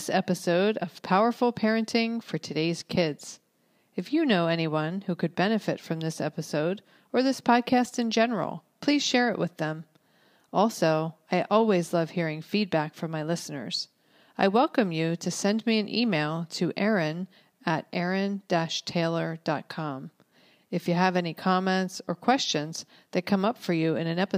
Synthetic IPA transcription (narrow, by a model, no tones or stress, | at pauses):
ðsɛpɨsoʊɾʌv̥pʰaʊə˞fl̩ˠpʰɛɹɨ̃ntʰɪ̃ŋfə˞tʰɨdeɪz̥kʰɪdz̥ | ɨfjɨnoʊɛñiwʌ̃nhʉkɨd̚bɛnɨfɨtfɹʌ̃mðɪsɛ̰pɨsoʊɾ | ə˞ðɪspʰɑd̚kʰæstɨ̃nd͡ʒɛnə˞l̩ˠpʰl̥iz̥ʃɛɹɨʔwʔɨ̰ðə̃m | ɔlˠsoʊaɪʔɔlˠwizlʌv̥hiɹɪ̃ŋfid̚bækfʌ̃maɪlɪsnə̰˞z̥ | aɪwɛlˠkɨ̃mjɨɾɨsɛ̃nmiɨ̃nʔimeɪlˠtʰɨʔɛɹɨ̃n | ɨɾʔɛɹɨ̃nd̥æʃtʰeɪlˠə˞d̥ɑt̚kʰɑ̃m | ɨfjɨːvɛnikʰɑmɛ̃ntsə˞kʰw̥ɛst͡ʃɨ̃nz̥ | ðɨt̚kʰʌ̃mʌpfə˞jɨɨ̃nɨ̃nɛpɨ